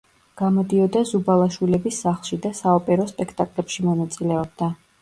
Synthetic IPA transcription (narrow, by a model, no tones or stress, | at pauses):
ɡ̥amɔd̪iɔd̪azubalˠaʃwilɛbisːaχlˠʃid̪asaɔpʼɛɾɔspʼɛkʰt̪ʼakʼlɛpʃimɔnat̪sʼilɛɔb̚d̪a